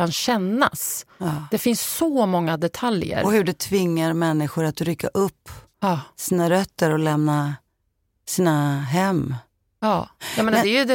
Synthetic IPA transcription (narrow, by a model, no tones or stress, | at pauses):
anɕɛnːa̰sd̪ɛfɪnsːɔmɔŋːad̪ɛt̪ʰaljə̰ɾɔhɵɖɛt̪ʰvɪŋːaɾmɛnːɪɧʊɾat̪ɾʏkːa̰ʔɵpː | siːnaɾœt̪ːəɾɔlɛmna | siːnaɦɛmː | ɑːɛmɛnd̪ɛɾjəd̪ɛ